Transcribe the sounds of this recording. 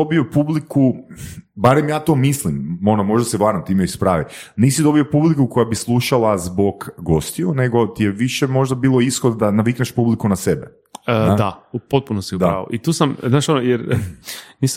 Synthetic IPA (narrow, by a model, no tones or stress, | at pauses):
obio̞publiku | baɾemjaːt̪o̞ːmislimo̞nomo̞ʒd̪aseʋaːɾamt̪iːmeispɾaːʋiniːsid̪o̞bio̞publikuko̞jabislˠuʃalˠazbo̞ɡɡo̞st̪iune̞ɡo̞t̪ijeʋiʃemo̞ʒd̪abiːlˠo̞isxod̪d̪anaʋikneʃpublikunasebe | ad̪aupot̪̚punosid̪aao̰ʔit̪uːsamznaːʃonojeɾ | niːs